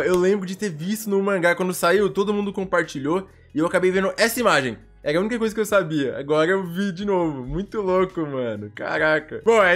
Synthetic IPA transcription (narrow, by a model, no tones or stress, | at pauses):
ewlẽmbɾʊd͡ʒɪt̪eɾvist̪ʊnʊmɐ̃ɡakwɐ̃nd̪ʊsaiwt̪od̪ʊmũnd̪ʊkõpaɾt͡ʃiʎo | ɪewakabejvẽnd̪ʊʔɛsɐimaʒẽj̃ | ɛɾɐunikɐkojzɐkɪewsabiɐa̰ɡɔɾɐewvid͡ʒinovʊmũj̃t̪ʊlokʊmɐ̃nʊka̰ɾakɐbõɛ